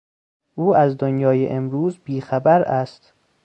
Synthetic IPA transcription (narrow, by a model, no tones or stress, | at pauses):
ʔuːæzd̪onjɒːjḛʔemɾuːzbiːxæbæɾæst̪